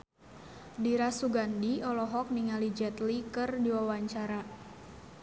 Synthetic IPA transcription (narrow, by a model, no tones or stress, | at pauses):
diɾasuɡandiɔlɔɦɔk̚niŋalid͡ʒɛt̪likɨrdiwawaɲt͡ʃaɾa